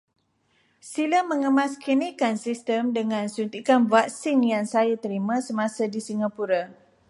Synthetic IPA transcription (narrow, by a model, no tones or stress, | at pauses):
silamːəŋəmãskinikansist̪əmdəŋãnsunt̪ikanvak̚sɪŋjaŋsajat̪əɾimãsəmãsadisiŋapuɾa